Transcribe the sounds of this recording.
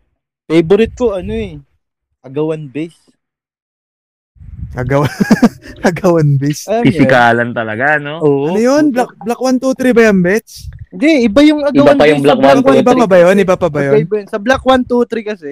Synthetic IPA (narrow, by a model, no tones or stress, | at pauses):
pejbʊɾɪt̪̚koʔɐnoɛ | ʔɐɡɐwanbɛs | ʔɐɡɐwa | ɐɡɐwɐnbɛsɐpɪsɪkaːlɐnt̪ɐlɐ̰ɡanooːɐnojonblak̚blɐkwant̪ut̪ɾibɐjɐmbɛt̪snd̪ɛʔɪbajʊŋɐɡɐwbanpajʊŋblakwalwaɪbapɐbɐjonʔɪbapɐbɐjobnsɐblɐkwant̪ut̪ɾikɐsɛ